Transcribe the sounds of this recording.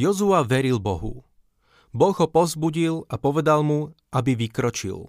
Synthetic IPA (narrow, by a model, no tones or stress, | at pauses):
jɔzuaʋɛɾilbɔɦṵ | bɔɣɦɔpɔzbuɟilapɔʋɛd̪almu | abiʋikɾɔt͡ʃḭl